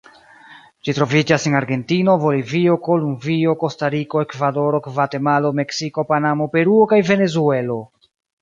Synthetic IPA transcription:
d͡ʒitɾo̞vid͡ʒasenaɾɡe̞ntino̞vo̞livio̞ko̞lumvio̞ko̞staɾiko̞e̞kvado̞ɾo̞kvate̞malo̞me̞ksiko̞panamo̞pe̞ɾuokajve̞ne̞zue̞lo̞

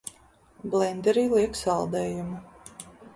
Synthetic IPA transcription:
blˠɛnd̪ʲɛɾiːlˠiɛksɑlˠd̪ɛːjumu

